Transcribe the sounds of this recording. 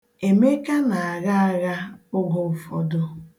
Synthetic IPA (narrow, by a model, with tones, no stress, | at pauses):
e˨me˦ka˦na˨a˨ɣa˦a˦ɣa˦ʊ˦ɡo˨fɔ˨dʊ˦